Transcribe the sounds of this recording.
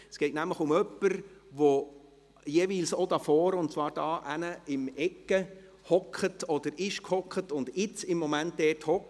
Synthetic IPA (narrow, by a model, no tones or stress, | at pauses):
sɡ̥ɛɪtnæmləχʊmœpːəɾʋo | jeʋiːlsod̥ɑfɔːɾʊnt̚t͡sʋɑːɾd̥ɑːʔænəɪmɛkːə | hɔkʰətʰɔd̥̪əɾɪʃkhɔkχətʊndɪt͡sɪmːɔmæntdɛːthɔk